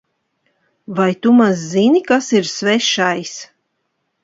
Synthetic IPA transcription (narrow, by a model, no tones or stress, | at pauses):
vajt̪umazːinikasiɾsvɛʃajs